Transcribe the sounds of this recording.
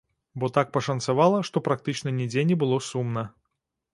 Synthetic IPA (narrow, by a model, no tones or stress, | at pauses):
bɔt̪ak̚pɐʂɐnt̪savalˠɐʂt̪ɔpɾak̚t̪ɨt͡ʂnɐnʲɛd͡zʲenʲɛbɨlˠɔsumnɐ